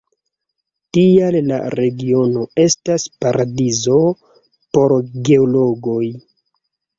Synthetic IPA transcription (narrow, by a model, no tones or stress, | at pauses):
tialla̰ɾe̞ɡio̞no̞e̞staspaɾadizo̞ | po̞ɾɡe̞olo̞ɡo̞j